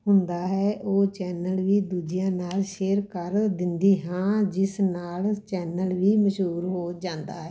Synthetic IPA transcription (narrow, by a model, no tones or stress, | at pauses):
ɦʊnd̪aːɦɛːʔoːt͡ʃɛːnəlʋiːd̪uːd͡ʒɪjãːnaːlʃeːɾkəɾd̪ɪnd̪iːɦãːd͡ʒɪsnaːlt͡ʃɛːnəlʋiːməʃɦuːɾɦoːd͡ʒãːnd̪aːɦɛː